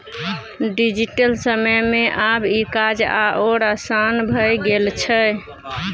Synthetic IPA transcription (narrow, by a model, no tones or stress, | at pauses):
ɖid͡ʒiʈəlsəməjmeʔabikad͡ʒa̰ʔoɾasanbʱəjɡelt͡ʃʰɛə